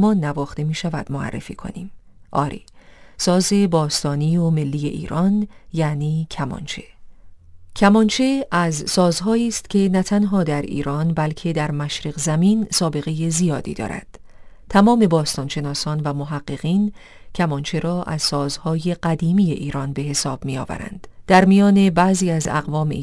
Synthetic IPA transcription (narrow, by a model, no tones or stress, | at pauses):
mɒːnːævɒːxt̪e̞miːʃævæ̰d̪moæ̰rːḛfḭːkʰo̞̰niːm | ʔɒ̰ːɾʔḭsɒːze̞bɒːst̪ɒːniːome̞lːiːje̞̰ʔḭːɾʔɒnjæniːcʰæmɒ̰nt͡ʃʰe̞̥̰ | cʰæmɒnt͡ʃʰeʔæzsɒːzɦɒːiːst̪cʰe̞næt̪ʰænɦɒːd̪æɾḭːɾɒːnbælcʰe̞d̪æɾmæʃɾeɣzæmiːnsɒːbe̞ɣe̞je̞zijɒːd̪ḭd̪ɒ̰ːɾæ̰d̪̥ | t̪ʰæmɒːme̞bɒːst̪ɒːnʃe̞nɒːsɒːnvæmoɦæɢːe̞ɣ̥iːn | cʰæmɒnt͡ʃʰe̞ɾɒːʔæ̰z̥sɒːzhɒːjeɢæd̪iːmiːje̞̰ʔiːɾɒnbe̞ɦe̞sɒːb̥mijɒːvæ̰ɾæ̰nd̪̥d̪̥æɾmijɒːne̞bæʔziːæzæ̰ɣvɒːmḛ